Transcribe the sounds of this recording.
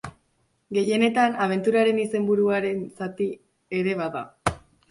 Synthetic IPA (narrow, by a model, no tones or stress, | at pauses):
ɡe̞je̞ne̞t̪anaβ̞e̞nt̪uɾaɾe̞nise̞mbuɾuaɾe̞nsat̪i | e̞ɾe̞βaða̰